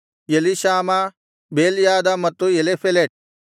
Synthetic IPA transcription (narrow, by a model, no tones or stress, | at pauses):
jeliɕaːma | beːljaːd̪amɐt̪ːuelefeleʈ̚